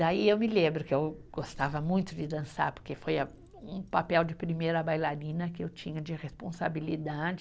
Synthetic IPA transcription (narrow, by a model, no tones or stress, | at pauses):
d̪aiewmɪlẽbɾʊkɪewɡost̪avɐmũj̃t̪ʊd͡ʒɪd̪ɐ̃sa̰ɾpoɾkefojɐ | ũpapɛwd͡ʒɪpɾimejɾɐbajlaɾĩnɐkɪewt͡ʃĩɲɐd͡ʒɪʁespõsa̰bilid̪ad͡ʒɪ